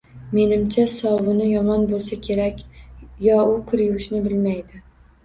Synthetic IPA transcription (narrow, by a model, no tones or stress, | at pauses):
me̞nɪmt͡ʃʰasɒwʊnɪjɒmɒnbolˠsakʲʰe̞ɾakʲjɒʊkʰʊɾjʊʃnɪbɪlmajd̪ɪ